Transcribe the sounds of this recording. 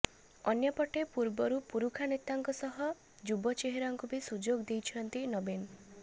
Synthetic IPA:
ɔnjɔpɔʈepuɾbɔɾupuɾukʰanet̪aŋkɔsɔɦɔ | d͡ʒubɔt͡ʃeɦeɾɔŋkubisud͡ʒoɡd̪ejt͡ʃʰɔnt̪inɔben

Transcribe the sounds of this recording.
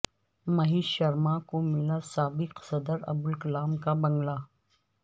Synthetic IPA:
mɐɦiːʃɐɾmakomɪlasaːbɪqsɐd̪əɾɐ̰bʊlkɐlaːmkabɐ̃ŋɡlaː

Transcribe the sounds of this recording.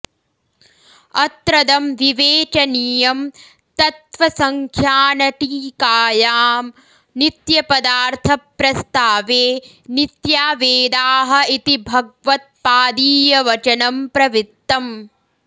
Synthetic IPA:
ɐt̪ɾɐd̪ɐmʋiʋeːt͡ʃɐnijɐm | t̪ɐt̪ʋɐsɐŋkʰjaːnɐʈiːkaːjaːm | nit̪jɐpɐd̪aːɾt̪ʰɐpːɾɐst̪aːʋeː | nit̪jaːʋeːd̪aːɦɐ̆it̪ibʱɐɡ̚ʋɐt̪̚paːd̪iːjɐʋɐt͡ʃɐnɐmpɾɐʋit̪ːɐm

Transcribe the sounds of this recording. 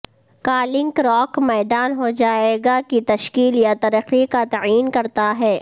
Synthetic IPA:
kaːlɪ̃ŋkɾɔːkmɛːd̪aːnɦod͡ʒaːeɡakit̪ɐʃkiːljat̪ɐɾəqikat̪aiːnkɐɾt̪aɦɛː

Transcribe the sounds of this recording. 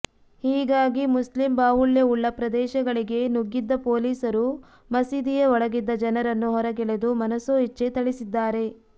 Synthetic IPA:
hiːɡaːɡimuslimbaːɦuljɐuɭːɐpɾɐd̪ɛːʃɐɡɐɭiɡe̞nuɡːid̪ːɐpoːliːsɐɾu | mɐsid̪ijeɔɭɐɡid̪ːɐd͡ʒɐnɐɾɐnːuɦɔɾɐɡɛɭed̪umɐnɐsoɦit͡ʃːet̪ɐɭisid̪ːaːɾe̞

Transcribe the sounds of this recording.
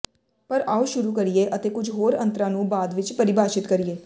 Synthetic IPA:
pəɾaːuʃʊɾuːkəɾieːʔət̪eːkʊd͡ʒʱɦoːɾə̰̃nt̪ɾãːnũːbaːd̪ʋɪt͡ʃpəɾɪbaːʃɪt̪kəɾieː

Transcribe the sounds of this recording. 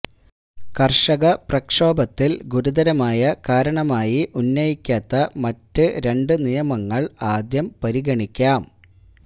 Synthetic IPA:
kɐrʂɐɣɐprɐkʂo̞ːbɐt̪ːilɡuɾud̪ɐɾɐmaːjɐkaːɾɐɳɐmaːjiʔunːɐjikʲːaːt̪ːɐmɐtːɨɾe̞ɳɖɨnijɐmɐŋːɐɭaːd̪jɐmpɐɾiɣɐɳikʲːaːm

